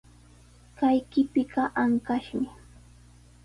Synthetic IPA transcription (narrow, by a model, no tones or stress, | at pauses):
kajkɪpɪɢɑʔaŋkaʃmɪ